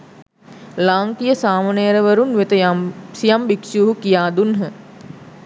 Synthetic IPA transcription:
laːŋkijəsaːmanejəɾəʋəɾunʋet̪əsijambiksjuːɦukijaːd̪unɦə

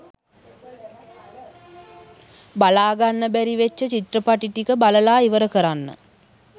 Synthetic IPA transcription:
balaːɡanːəbæɾiʋet͡ʃːət͡ʃit̪rəpaʈiʈikəbaləlaːiʋəɾəkəɾanːə̰

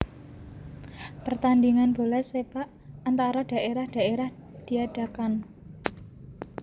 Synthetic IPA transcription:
pərt̪and̪iŋanb̥olɛsepaʔː | nt̪aɾaɖ̥a̤ʔeɾahɖ̥a̤ʔeɾahd̪̥i̤aɖ̥a̤kan

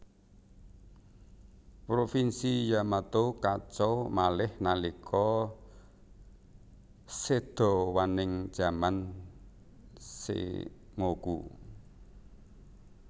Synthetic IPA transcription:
pɾofinsijamat̪okat͡ʃɔmalɪhnalikʰɔ | sed̪̥ɔ̤wanɪŋ̥d͡ʒ̥a̤man | sḛŋokṵ

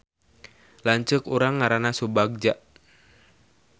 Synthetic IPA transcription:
laɲt͡ʃəkuɾaŋːaɾanasubaɡ̚d͡ʒaʔ

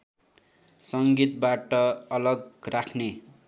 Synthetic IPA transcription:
sʌŋɡit̪baʈʌʌlʌɡrakʰne

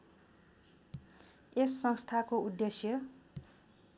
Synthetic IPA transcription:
esːʌ̃ŋst̪ʰakoud̪ːesjʌ

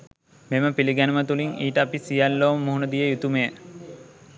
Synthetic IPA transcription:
meməpiliɡænəmət̪uliŋiːʈəːpisijalːoːməmuɦunəd̪ijəjut̪umejə

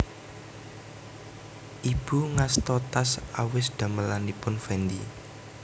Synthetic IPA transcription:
ʔib̥uŋast̪ɔt̪asawɪsd̪̥ä̤məlanipʊnfɛnd̪i

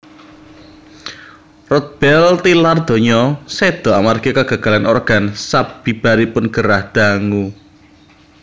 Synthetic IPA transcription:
rɔt̪̚b̥ɛlt̪ilard̪̥o̤ɲɔsed̪̥ɔ̤amarɡ̥ekaɡ̥a̤ɡ̥a̤lanʔɔrɡ̥ansab̥i̤b̥aɾipʊnɡ̥əɾahd̪̥a̤ŋu

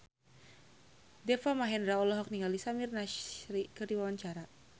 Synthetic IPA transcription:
dɛfamaɦɛndɾaɔlɔɦɔk̚niŋalisamirnaʃɾikərdiwawaɲt͡ʃaɾa

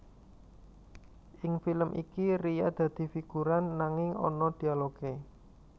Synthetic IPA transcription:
ʔɪŋfiləmʔḭkirija̰d̪̥ä̤d̪̥i̤fiɡ̥uɾanːaŋɪŋɔ̰nɔd̪̥i̤aloɡ̥e

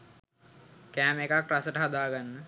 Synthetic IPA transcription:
kæːmekakɾasəʈəɦad̪aːɡanːə

